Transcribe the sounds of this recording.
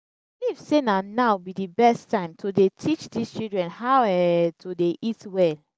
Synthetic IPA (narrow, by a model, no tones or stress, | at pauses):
livsenanaʊbidibɛstãɪ̃mtʰodetʰit͡ʃdist͡ʃildɹɛ̃nhaʊɛtʰodeʔitwɛl